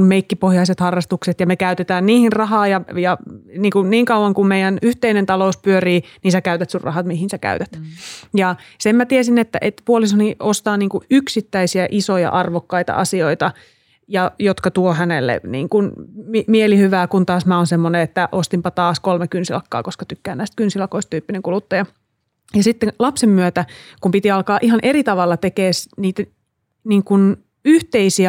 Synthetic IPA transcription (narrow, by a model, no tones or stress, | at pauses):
mmeikːipohjɑiset̪hɑrːɑst̪ukset̪jɑmekæyt̪et̪æːnniːhinrɑɦɑːjɑjɑniːŋkunniːŋkɑuwɑŋkummeijænyht̪einent̪ɑlouspyøriːniːnsækæyt̪æt̪surrʔɑ̰hɑt̪mihinsækæ̰yt̪æt̪jɑsemmæt̪iesinet̪ːæ̰ʔet̪puolisoniost̪ɑːniːŋkuʔyksit̪ːæisiæʔisojɑ̰ʔɑrʋokːɑit̪ɑ̰ʔɑsioit̪ɑ | jɑjot̪kɑt̪uohænelːḛnḭːŋkunmimielihyʋæːkunt̪ɑːsmæonsemːoneet̪ːæʔost̪impɑt̪ɑːskolmekynsilɑ̰kːɑ̰ːkoskɑ̥t̪ykːæːnæist̪̚kynsilɑkoist̪t̪yːpːineŋkulut̪ːɑjɑ | jɑsit̪ːenlɑpsemːyøt̪ækumpit̪iɑlkɑːʔihɑnʔeɾit̪ɑʋɑlːɑt̪ekeːsniːt̪æ | niːŋkun | yht̪eisiæ